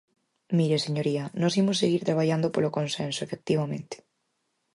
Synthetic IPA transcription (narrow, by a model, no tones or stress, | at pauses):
miɾeseɲoɾianosimosːeɣiɾt̪ɾaβ̞aʎand̪opolokõnsẽnsoefek̚t̪iβamẽnt̪e̥